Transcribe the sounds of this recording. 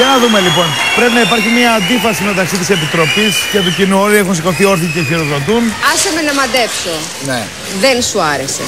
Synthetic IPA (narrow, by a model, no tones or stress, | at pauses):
ʝɐnɐðume̞lipo̞npɾe̞pinɐipɐɾçimɲɐːnd̪ifɐsime̞t̪ɐksit̪ise̞pit̪ɾo̞pisceɐpocinuo̞liexuns̬iko̞θio̞ɾθiceçiɾoðo̞t̪unɐsɐmenɐmɐd̪epso | ne | ðensuɐɾesḛ